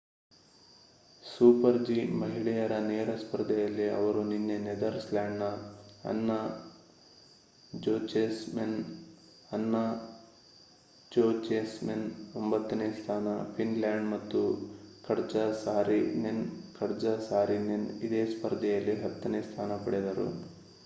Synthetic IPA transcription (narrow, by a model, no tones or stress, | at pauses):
suːpɐɾd͡ʒimɐɦiɭɛjɐɾɐneːɾɐspɐɾd̪ʱɛjɐlːiɐ̰ʋɐɾuninːened̪ɐɾslaːɳɖnɐɐ̰nːɐ | d͡ʒoːt͡ʃesmen | ɐnːɐ | d͡ʒoːt͡ʃeːsmenombɐt̪ːɐneːst̪ʰaːnɐpʰinlaːɳɖmɐt̪ːukɐɾd͡ʒɐsaːɾinenkɐɾd͡ʒɐsaːɾinenid̪eːspɐɾd̪ɛjɐlːiɦɐt̪ːɐneːst̪ʰaːnɐpɐɽɛd̪ɐɾṵ